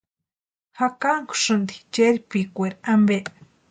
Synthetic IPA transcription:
hakaŋku̥ʂɨnd̪it͡ʃeɾipikʷeɾiambeʔ

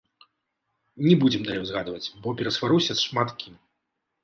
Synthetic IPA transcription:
nʲɛbud͡zʲɛmd̪alʲewzɣad̪vɐt͡sʲbɔpʲɛɾɐsvaɾusʲɐsʂmat̪kʲim

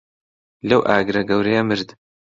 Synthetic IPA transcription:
lɐwʔaːɡɾɐɡɐwɾɐjɐmɨɾd̪

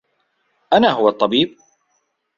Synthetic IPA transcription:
ʔanaːɦʊwat̪ˤːɑbiːb̚

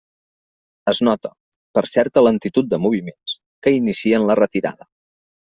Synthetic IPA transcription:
əznɔt̪ə | pəɾsɛɾt̪ələnt̪it̪ut̪̚d̪əmuβ̞imens | kəinisiənlərət̪iɾa̰ðə

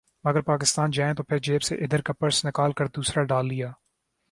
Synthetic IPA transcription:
mɐɡəɾpaːk̬ɪst̪aːnd͡ʒaːẽt̪opʰɪɾd͡ʒeːbseʔɪd̪əɾkɐpəɾsnɪkaːlkɐɾd̪uːsɾaɖaːlːɪjaː

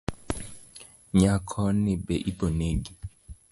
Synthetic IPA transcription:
ɲakʰɔnɪbɛʔiboneɡi

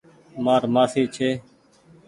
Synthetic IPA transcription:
maːɾmaːfiːt͡ʃʰeː

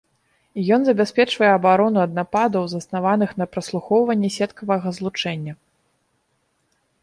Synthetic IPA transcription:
jɔnzɐbʲasʲpʲɛt͡ʂvɐjɛɐbaɾɔnuɐd̪̚napad̪ɐwzɐsnavanɨxnɐpɾɐslˠuxɔwvɐnʲːɛsʲɛt̪kɐvɐɣɐzlˠut͡ʂɛnʲːɐ

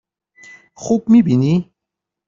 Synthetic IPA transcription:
xubmibini

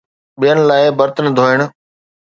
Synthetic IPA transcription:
ɓijənɪ̆laːɪbɐɾt̪ənɪ̆d̪ʱoːɪɽ̃ʊ̆

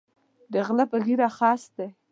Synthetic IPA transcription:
d̪əɣlapəɣiɾaxɑst̪̚d̪e

